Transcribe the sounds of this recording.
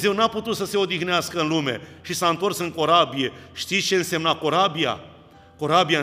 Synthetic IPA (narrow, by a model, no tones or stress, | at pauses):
ze̞wnaput̪ut̪səse̞o̞d̪ixneaskəɨnlume̞̰ʃisaɨnt̪o̞rsɨŋko̞ɾabije̞ʃt̪it̪t͡ʃe̞ɨnse̞mnakoɾabia̰ | ko̞ɾabia